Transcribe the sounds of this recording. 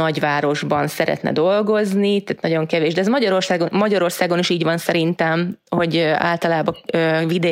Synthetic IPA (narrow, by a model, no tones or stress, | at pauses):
ɒɟʋaːɾo̞ʒbɒnsɛɾɛ̰t̪nɛ̰d̪o̞lɡo̞znit̪aːt̪nɒɟo̞ŋkɛveːʒd̪ɛzmɒɟɒɾo̞rsaːɡomɒɟɒɾo̞rsaːɡo̞niʃiːɟʋɒnsɛɾint̪ɛmho̞ɟa̰ːlt̪ɒlaːbɒøvid̪ɛ